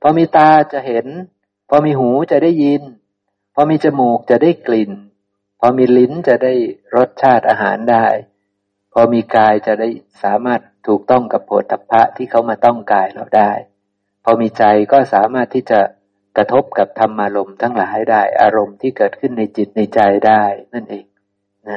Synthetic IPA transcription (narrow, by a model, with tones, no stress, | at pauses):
pʰɔː˧miː˧t̪aː˧t͡ɕa˨˩ʔhe˨˦n | pʰɔː˧miː˧ɦuː˨˩˦t͡ɕa˨˩ʔda˥˩jːi˧n | pʰɔː˧miː˧t͡ɕa˧muː˨˩k̚t͡ɕa˨˩ʔdaː˥˩jkli˨˩n | pʰɔː˧miː˧li˦˥nt͡ɕa˨˩ʔda˥˩jɾo˦˥t̪̚t͡ɕʰaː˥˩t̪̚ʔaː˧ɦaː˩˦ndaː˥˩j | pʰɔː˧miː˧kaː˧jt͡ɕa˨˩ʔda˥˩j | saː˩˦maː˥˩t̪ʰːuː˨˩k̚t̪ɔ˥˩ŋka˨˩pʰːoː˨˩˦t̪̚ʰːa˧˦pʰːa˦˥ʔt̪ʰiː˥˩kʰa˧˦˩wmaː˧˩t̪ɔ˥˩ŋkaː˧jlɔ̰˨˩daː˥˩j | pʰɔː˧miː˧t͡ɕa˧jkɔː˥˩saː˩˦maː˥˩t̪ʰːiː˥˩t͡ɕa˨˩ | kɾa˧t̪ʰo˦˥p̚ka˨˩p̚t̪ʰa˧mʔaː˧ɾo˧mt̪ʰa˦˥ŋlaː˩˦jdaː˥˩jʔa̰ː˧ɾo˧mt̪ʰiː˥˩kɤː˨˩t̪̚kʰɯ˥˩nːa˧jt͡ɕi˨˩t̪̚na˧jt͡ɕa˧jdaː˥˩jna˥˩nʔeː˨˩k̚ | na˦˥